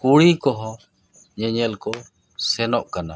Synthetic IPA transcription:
kuɽikɔɦɔ̃ | ɲəɲəlkɔ | sɛnɔʔkana̰

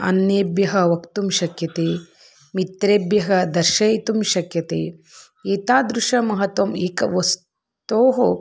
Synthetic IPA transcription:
ɐ̰njeːbjɐɦɐʋɐkt̪umʃɐkjɐt̪eː | mit̪ɾeːbjɐɦɐd̪ɐɾʃɐjt̪umʃɐkjɐt̪eː | eːt̪aːd̪ɾuʃɐmɐɦɐt̪ʋɐmeːkɐʋɐs | t̪oːɦo

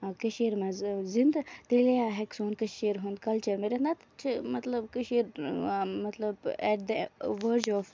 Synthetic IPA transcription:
keʃeːɾmɐ̃zzĩnd̪t̪elejaɦɛksoːnkɨʃeːɾɦũnd̪kɐlt͡ʃɐɾmeɾend̪at̪t͡ʃʰimɐt̪lɐbkɨʃeːɾmɐt̪lɐbɛʈ̚d̪ɐʋəɾd͡ʒɔːf

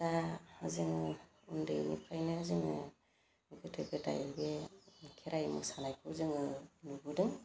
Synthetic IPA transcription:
tahaziŋɯ | undɯ̰jnḭpʰajnɯaziŋɯ | ɡɯtʰɯɡɯta̰jbekʰeɾajmɯ̰sanajkʰɯzɯŋɯnubɯdɯŋ

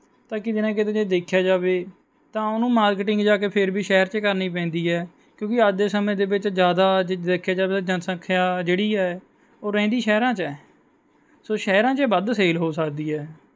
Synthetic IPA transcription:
t̪ãːkɪd̪ɪnãːk̬ɪt̪ẽd͡ʒeːd̪eːkʰːjaːd͡ʒaːʋeː | t̪ãːʊnũːmaːɾkɪʈɪŋɡd͡ʒaːkeːpʰɪɾbiːʃɛːɾt͡ʃkəɾniːpɛ̃ːnd̪iːɦɛː | kjõːkɪəd̪eːsəmẽːd̪eːbɪt͡ʃd͡ʒjaːd̪aːd͡ʒd̪eːkʰːjaːd͡ʒaːbeːd͡ʒənsə̃kʰːjaːd͡ʒeːɽiːɛː | oːɾɛ̃ːnd̪iːʃɛːɾãːt͡ʃɛː | soːʃɛːɾãːt͡ʃəbəd̪seːlɦoːsəkd̪iːɦɛː

